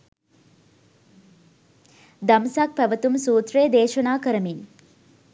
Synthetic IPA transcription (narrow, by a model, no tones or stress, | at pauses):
d̪ɐmsak̚pæʋət̪umsuːt̪reːd̪eːʃɐnaːkəɾəmin